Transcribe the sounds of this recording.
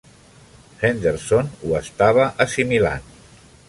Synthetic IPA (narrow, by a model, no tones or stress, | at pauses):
hend̪eɾsonuəst̪aβəʔəsimila̰n